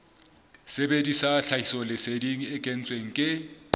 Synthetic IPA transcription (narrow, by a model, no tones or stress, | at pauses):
sebedisaɬaisɔlɪsediŋ̩ɪkʼen̩t͡sʼweŋ̩kʼɪ